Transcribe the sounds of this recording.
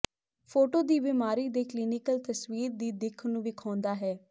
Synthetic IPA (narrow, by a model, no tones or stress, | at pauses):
pʰoːʈoːd̪iːbɪmaːɾiːd̪eːkliːnɪkəlt̪əsʋiːɾd̪iːd̪ɪkʰnũːʋɪkʰãːnd̪aːɦɛː